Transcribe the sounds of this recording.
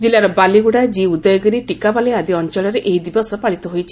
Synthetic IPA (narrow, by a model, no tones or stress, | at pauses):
d͡ʒilaɾɔbaliɡuɽad͡ʒiud̪ɔjɔɡɔɾiʈikabaliad̪iɔnt͡ʃɔlɔɾeʔeɦid̪ibɔsɔpaɭit̪ɔɦojt͡ʃʰi